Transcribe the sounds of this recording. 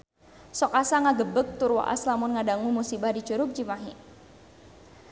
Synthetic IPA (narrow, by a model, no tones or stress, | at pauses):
sɔkasaŋaɡəbək̚t̪ʊrwa̰ʔa̰slamʊnŋadaŋumusibahdit͡ʃuɾʊp̚d͡ʒimaɦi